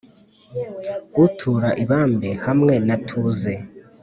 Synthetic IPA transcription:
ɡutʰuɾaʔiβaːmbehamŋe̞natʰuze

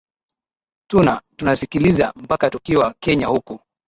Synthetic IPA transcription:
tunatunasikiliza̰m̩pakatukiwakɛɲahuku

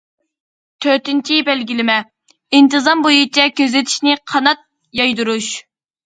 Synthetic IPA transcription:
t̪ʰøt̪ɪnt͡ʃʰibɛlɡʲilɪmɛ | int̪ʰɨzɑmbojut͡ʃʰɛkʲʰøzɪt̪ʰi̥ʃnɪqʰɑnɑt̪̚ | jɑjd̪uɾuʃ

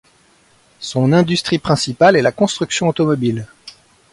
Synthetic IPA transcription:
sɔ̃nɛ̃d̪yst̪χipχɛ̃sipalɛlakɔ̃st̪χyksjɔ̃ot̪ɔmɔbil

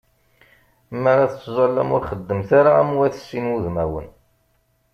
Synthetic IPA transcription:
mːaɾaθt͡sːzˤɑlːæ̰mʊɾχəd̪ːəmθaɾaæmuwæθə̥sːinuðmæwə̰n

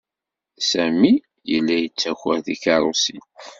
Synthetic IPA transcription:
sæmi | jə̰lːæjət͡sːæçʷəɾðikɑɾˤosi

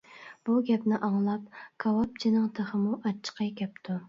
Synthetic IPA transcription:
b̥uɡʲɛpnɪʔɑŋlˠɑpkʰɑwɑp̚t͡ʃʰinɨŋt̪ʰəχəmuʔɑt͡ʃʰːə̥qʰɑjkʲʰɛpt̪ʰu

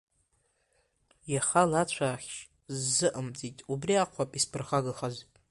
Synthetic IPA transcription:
jaχalat͡ɕʷʰaːχʲʃ | zːɨʔəmt͡sʼitʼubriaqʷʰapʼispʰɨrχaɡɨχazʷʼ

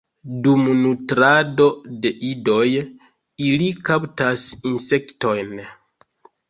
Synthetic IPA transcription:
dumnutɾado̞de̞ʔido̞j | ilikaptasinse̞kto̞jn

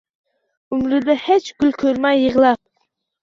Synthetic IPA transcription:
ʊmɾɪd̪ahet͡ʃɡʲylkʲʰøɾmajːɨʁlˠɑp̚

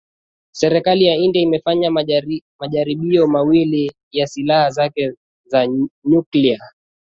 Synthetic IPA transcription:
sɛɾɛkalijaindiaimɛfaɲamaʄaɾiɓiɔmawili | jasilahazakɛ | zaɲuklia

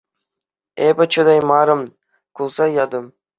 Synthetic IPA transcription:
ebɘt͡ʃʰʊd̪ɑjmɑɾɤ̆m | kʰulˠsɑjɑd̪ɤm

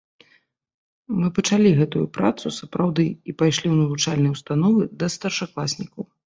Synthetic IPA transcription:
mɨpɐt͡ʂalʲiɣɛt̪ujṵpɾa̰t̪susɐpɾawd̪ɨipajʂlʲiwnɐvut͡ʂalʲnɨjɐwst̪anɔvɨd̪ɐst̪ɐrʂaklˠasʲnʲikɐw

